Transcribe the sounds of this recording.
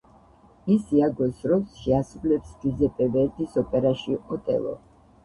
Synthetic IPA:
isiaɡɔsɾɔsʃɛasulɛpsɡizɛpʼɛvɛɾd̪ʼisɔpʼɛɾaʃiɔt̪ʼɛ̰lˠɔ̰

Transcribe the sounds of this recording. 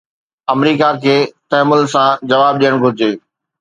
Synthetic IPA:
ɐmɾiːkakʰeːt̪ɛːmʊlsãd͡ʑɐʋaːb̚ɗijəɽ̃ɡʱʊɾɪd͡ʑeː

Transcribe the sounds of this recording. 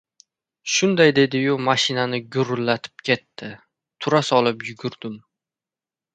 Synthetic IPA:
ʃʊnd̪ajd̪e̞d̪ɪjʊmaʃɪnanɪɡʲʊɾlːat̪ʰɪ̥p̚kʲʰe̞t̪ʰːɪ | t̪ʰʊɾasɒlˠɪpjʊɡʲʊɾd̪̥ɪm

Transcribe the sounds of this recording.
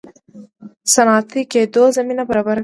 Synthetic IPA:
sanɑːt̪iked̪ozaminabaɾɑbaɾ

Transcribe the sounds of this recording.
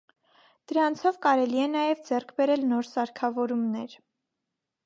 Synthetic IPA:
d̪̥əɾɑnt͡sʰɔvkɑɾɛliɛnɑjɛvd͡zɛrkʰbɛɾɛlnɔɾsɑɾkʰɑvɔɾumnɛɾ

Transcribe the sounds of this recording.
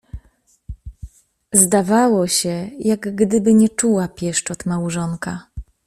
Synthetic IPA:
zd̪avawɔɕɛjaɡɡd̪ɘbɘɲɛt͡ʂuwapʲjɛʂt͡ʂɔt̪mawʐɔŋka

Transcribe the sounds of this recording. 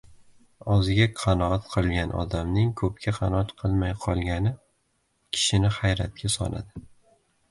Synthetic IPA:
ɒzɪɡʲaqʰɑnɒat̪qʰɨlˠɡʲanʔɒ̰d̪amnɪŋkʰɵp̚kʲʰaqʰɑnɒat̪qʰɨlˠmajqʰɒlˠɡʲanɪ | kʲʰɪ̥ʃɪnɪχajɾat̪̚kʲʰasɒ̰nʔa̰d̪ɪ

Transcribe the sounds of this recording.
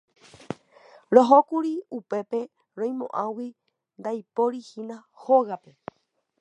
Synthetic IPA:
ɾoɦokuɾiupe̞pe̞ | ɾõj̃mõ̰ʔãwi | nd̪ajpo̞ɾihĩnã | hoɣape̞

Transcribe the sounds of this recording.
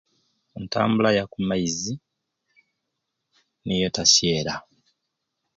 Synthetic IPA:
enta̰ːmbulajakumːaizi | nijotasjeːɾa

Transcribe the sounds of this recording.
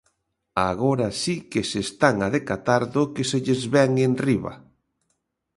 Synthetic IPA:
aɣoɾasikesest̪aŋaðekat̪aɾðʊkeseʎezβɛŋenriβa̰

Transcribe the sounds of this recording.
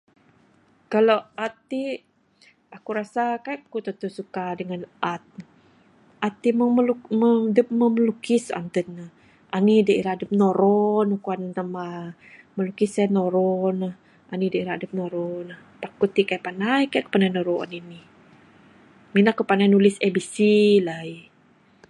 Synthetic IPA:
kaloat̪i | akuɾasakajʔkut̪ət̪usukadəŋanʔat̪̚ | ʔat̪iməməlumədəp̚məməlukisa̰nt̪ənəh | anidaiɾaːdəp̚noɾɔnukuantama | məlukisanoɾɔnəh | ʔanidaiɾaːdəp̚noɾɔnahpakut̪ikajpanajkajkə̥panajnoɾoa̰nini | minakupanajnulisebisilai

